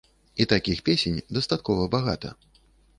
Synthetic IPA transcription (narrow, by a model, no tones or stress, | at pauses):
it̪akʲixpʲesʲenʲd̪ɐst̪at̪̚kɔvɐbaɣa̰t̪ɐ̰